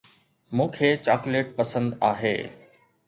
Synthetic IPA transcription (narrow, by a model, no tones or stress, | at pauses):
mũːkʰeːt͡ɕaːkʊleːʈ̚pɐsə̃nd̪aːɦḛː